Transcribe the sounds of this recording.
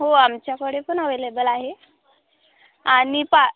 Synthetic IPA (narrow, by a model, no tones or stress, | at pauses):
ɦoamt͡ɕjakəɽepəɳaʋelebəlaɦe | aɽ̃ipa